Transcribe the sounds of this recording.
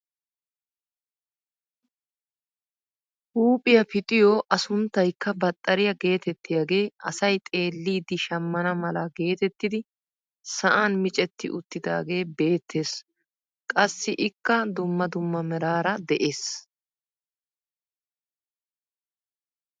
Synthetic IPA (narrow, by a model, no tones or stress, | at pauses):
ʔuːpʼɪjɐpɪt̪ʼɪjoːʔɐsʊnt̪ːɐjkːɐbɐt̪ʼːɐɾɪjɐɡe̞ːt̪ɛt̪ːɪjaɡe̞ːɐsɐjt̪ʼe̞ːlːiːd̪ɪʃɐmːɐnɐmɐlɐɡe̞ːt̪ɛt̪ːɪd̪ɪ | sɐʔanmɪt͡ʃʼɛt̪ːɪ̰ʔʊt̪ːɪd̪a̰ːɡe̞ːbe̞ːt̪ʰːe̞ːs | kʼɐsːɪʔɪkːɐd̪ʊmːɐd̪ʊmːɐmɛɾaːɾɐd̪ɛʔe̞ːs